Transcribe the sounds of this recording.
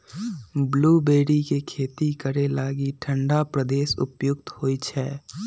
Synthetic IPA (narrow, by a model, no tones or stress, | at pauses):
bluːbeːɾikekʰeːt̪ikəɾelaːɡiʈʰə̃ɳɖapɾəd̪eːsʊ̰pjʊk̚t̪ɦoːit͡ʃʰɛː